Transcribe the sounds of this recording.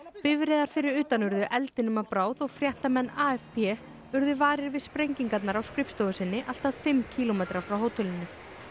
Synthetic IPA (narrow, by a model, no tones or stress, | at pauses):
pɪvɾɛðaɾ̥fɪɾɪɾʏːt̪anʏɾðʏʔɛlt̪ɪnʏmapɾaːwðɔɣfɾjɛht̪amɛnːaːɛfpɛ | ʏɾðʏvaːɾɪɾvɪðspɾejɲciŋkat̪naɾawskɾɪfst̪ɔɣʏsɪnːɪʔal̥t̪aðfɪmcʰiːlɔmejt̪ɾafɾawɦoːwt̪ʰɛlɪnːʏ